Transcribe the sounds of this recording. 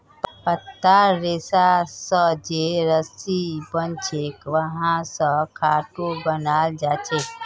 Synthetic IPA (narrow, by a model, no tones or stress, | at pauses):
ppət̪ːaɾːesasə̃d͡ʒeɾəsibənt͡ʃʰekʋəɦãsə̃kʰaʈobənald͡ʒat͡ʃʰek